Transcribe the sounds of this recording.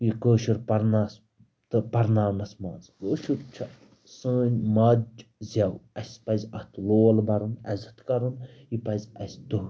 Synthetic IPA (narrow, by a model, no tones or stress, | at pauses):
jikəːʃuɾpɐɾnaːs | t̪ɨpɐɾnaːnɐsmaːnzkəːʃuɾt͡ʃʰɐ | səːnʲmɐzʲɐwɐsʲpɐzʲɐht̪loːlbɐɾɨnɛzɐt̪kɐɾunjipɐzʲɐsʲt̪u